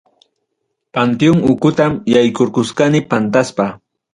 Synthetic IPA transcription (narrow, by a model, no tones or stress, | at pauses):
pant̪ɪjʊŋʊkʊt̪amjajkoɾkʊskanɪpant̪aspa